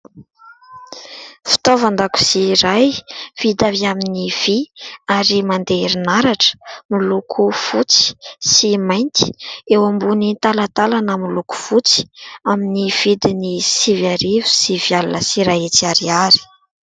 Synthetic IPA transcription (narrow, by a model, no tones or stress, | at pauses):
fi̥t̪ovand̪aku̥siɾajv̥id̪aviaminiv̥iaɾimand̪eɾinaɾaʈ͡ʂə̥milukʰufut͡si̥simajnt̪i̥ewambunit̪alat̪alanəmiluku̥fut͡si̥aminiv̥id̪inisivaɾivu̥sivjalunəsiɾajet͡siaɾiaɾi̥